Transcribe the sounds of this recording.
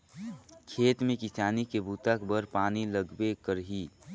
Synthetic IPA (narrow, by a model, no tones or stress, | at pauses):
kʰeːt̪mẽkisaːnikebʱuːt̪akbəɾpaːniləɡbekəɾɦi